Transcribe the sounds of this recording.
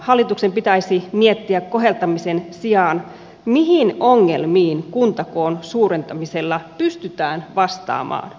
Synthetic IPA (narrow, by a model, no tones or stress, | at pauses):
hɑlːit̪ukse̞mpit̪æjsimiet̪ːiækko̞ɦe̞lt̪ɑmise̞nsiɑːn | miɦino̞ŋːe̞̰lmiːnkunt̪ɑko̞ːnsuːɾent̪ɑmise̞lːɑpyst̪yt̪æːnʋɑst̪ɑ̰ːmɑ̰ːn